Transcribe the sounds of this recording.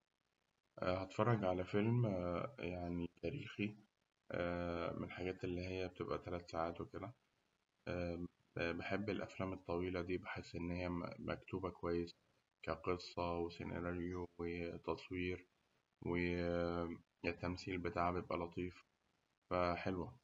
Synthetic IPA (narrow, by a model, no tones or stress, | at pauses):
ʔhæt̪fɑrˤːɑɡʕalæfelmjaʕnit̪æːɾḭːxi | ʔæmḛnħaɡæːt̪ʔelːiːɦejːæbet̪ebʔæt̪ælæːt̪saːʕaːt̪weked̪æ | ʔæ | beħebːelʔæ̰flæːmet̪ˤːɑwiːlæd̪iːbeħesːʔenːhɪjːæmʔæ̰kt̪uːbækowæjːes | kæqesˤːɑwesḛnʔḛlæɾjowet̪ɑsˤwiːɾ | we | et̪ːæmsiːlbet̪aːʕabejebʔælɑt̪ˤiːf | fæħelwæ